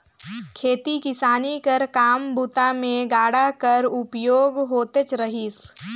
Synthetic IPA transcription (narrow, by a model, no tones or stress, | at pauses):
kʰeːt̪ikɪsaːnikəɾkaːmbut̪amẽɡaːɽakɐɾʊpjoːɡɦoːt̪et͡ʃɾəɦiːs